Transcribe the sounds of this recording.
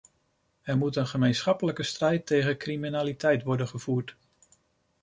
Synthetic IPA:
ɛɹmutənχəmejnsχɑpələkəstrɛjtːejχəkriminaːlitʰɛjtʋɔɹdənχəvuːɹt

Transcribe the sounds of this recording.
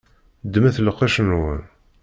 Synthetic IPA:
d̪mæθləqːæʃənwə̰n

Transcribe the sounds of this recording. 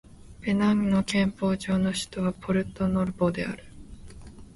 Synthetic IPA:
be̞nãŋno̞kẽ̞mpo̞ːʑo̞ːno̞ɕɨ̥t̪oβapʰo̞ɾɯ̟t̪ːo̞no̞ɾɯ̟boːd̪e̞a̰ɾɯ̟̥

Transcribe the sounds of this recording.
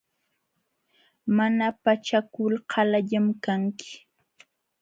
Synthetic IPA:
manapat͡ʃakʊlhʰɑlaʎamkaŋkɪ̥

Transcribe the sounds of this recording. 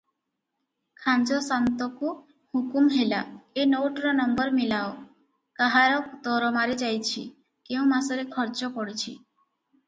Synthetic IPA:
kʰand͡ʒosant̪oku | hukumɦelaenowʈɾɔnɔmbɔɾmilao | kaɦaɾɔk̚d̪ɔɾɔmaɾed͡ʑajt͡ɕʰḭ | keuw̃masoɾekʰɔɾd͡ʑokɔɽet͡ɕʰḭ

